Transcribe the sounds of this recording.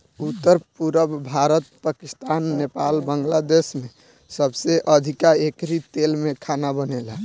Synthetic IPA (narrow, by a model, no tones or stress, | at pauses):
ut̪ːəɾpuɾəbbʱaɾət̪pakist̪anːepalbəŋɡlad̪esme | səbseʔəd̪ʱikaekɾit̪elmẽkʰanabənelã